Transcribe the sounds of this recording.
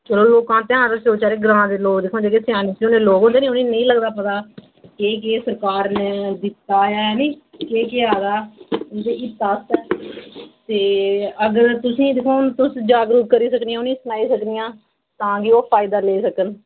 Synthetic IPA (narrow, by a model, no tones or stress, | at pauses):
d͡ʒəloːloːkãːt̪ɪãːɾsoːt͡ʃaːɾeːɡɾãːd̪eːloːkd̪eːkʰõːd͡ʒeːkeːsɪjaːnɪioːneːloːkɦõnd̪eːnĩːʊnĩːnəĩːləɡd̪aːpət̪aː | keːkeːsəɾkaːɾneːd̪ɪt̪ːaːjaːɛːneːkeːkɪaːd̪aːd̪eːɪt̪aːst̪ɛː | t̪eːəɡəɾt̪ʊsĩːd̪ekʰõːnt̪ʊsd͡ʒaːɡɾuːkkəɾiːsəkniːãːʊnĩːsʊnaːiːsəknɪjãː | t̪ãːɡioːpʰaːɪd̪aːleːsəkən